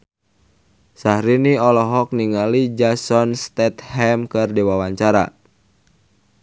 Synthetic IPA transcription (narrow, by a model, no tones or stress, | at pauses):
sahɾiniɔlɔɦɔk̚niŋalid͡ʒasɔnst̪ɛt̪hɛmkɨrdiwawaɲt͡ʃaɾa̰